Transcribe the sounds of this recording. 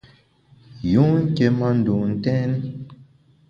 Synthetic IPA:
ju˦ŋ˦ke˨ma˦n̩˨du˨n̩˨tɛ˦n˦

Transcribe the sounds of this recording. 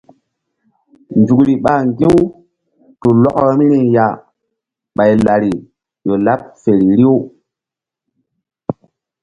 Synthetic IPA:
nd͡ʒu˨kɾi˨ɓa˦˨ŋɡi˦w | tu˨lɔ˦kɾa˦mi˦ni˨ja˨ | ɓa˨jla˨ɾi˨ | jo˨la˦p̚fe˨ɾi˨ɾi˦w

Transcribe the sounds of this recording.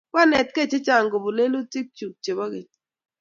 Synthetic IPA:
wa˦nɛ˨tke˦˨t͡ʃe˦t͡ʃa˨ŋɡo˨bo˨le˦lo˦ti˦k̚t͡ʃu˨k̚t͡ʃe˨ba˦ɡe˨t

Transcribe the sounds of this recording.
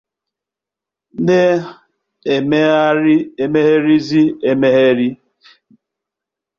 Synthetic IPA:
ne˦ | e˨me˦a˦ɾi˦e˨me˦ɦe˦ɾi˦zi˦e˨me˦ɦe˦ɾi˦

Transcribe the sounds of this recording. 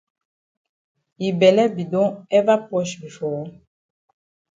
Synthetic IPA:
ji˨bɛ˨lɛ˦bi˨dɔ̃˦ɛ˦va˦pɔ˦ʃi˨fɔ˨˦

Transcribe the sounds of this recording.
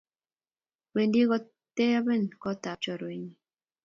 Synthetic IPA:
we˨ndi˦ɣɔ˦ | te˦a˦be˦˨nkɔ˦ta˨t͡ʃɔ˨ɾe˨ɲi˨

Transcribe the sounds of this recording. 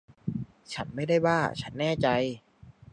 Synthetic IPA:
t͡ɕʰa˦˥nma˥˩jda˥˩jwaː˥˩t͡ɕʰa˦˥nːɛː˥˩t͡ɕa˧j

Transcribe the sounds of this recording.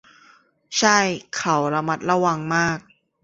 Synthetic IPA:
t͡ɕʰa˥˩jkʰa˨˩˦wɾa˧ma˦˥t̪̚ɾa˧wa˧ŋmaː˥˩k̚

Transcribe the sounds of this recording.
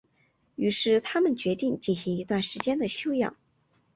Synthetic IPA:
y˧˥ʂɻ̩˥˩t̪ʰa˥mə˨nt͡ɕɥɛ˧˥t̪i˥˧ŋt͡ɕi˥˩nɕi˧˥ŋi˧˥t̪wa˥˩nʂɻ̩˧˥t͡ɕjɛ˥nd̪ə˨ɕjo˥ʊjɑ̰˥˩ŋ

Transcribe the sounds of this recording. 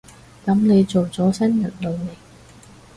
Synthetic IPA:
k̪ɐ˨˥mne˨˧jt͡so˨wt͡sɔː˨˥sɐ˥njɐ˨˩nlo˨˧wne˨˩j

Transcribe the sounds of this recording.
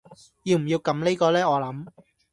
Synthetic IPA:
jiː˧wm̩˨˩ji˧wkɐ˨˥mne˥kɔː˧lɛː˥ŋɔː˨˧lɐ˨˥m

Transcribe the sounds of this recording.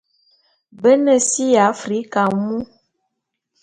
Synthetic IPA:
bə˦nə˨si˦ja˨˦fɾi˨˦ka˨mu˦

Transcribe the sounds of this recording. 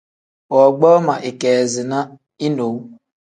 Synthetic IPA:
ɔ˨ɡ͡bɔ˦ma˨ʔɪ˨ke˨zɪ˨na˦ | i˦no˨w

